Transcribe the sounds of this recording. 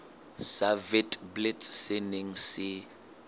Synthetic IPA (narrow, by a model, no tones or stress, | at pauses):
savɛtʼbletsɪneŋ̩sɪ